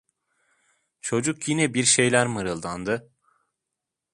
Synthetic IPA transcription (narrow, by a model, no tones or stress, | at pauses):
t͡ʃʰo̞d͡ʒukjinɛbiɾʃe̞jlʲæɾmɯɾɯlˠd̪and̪ɯ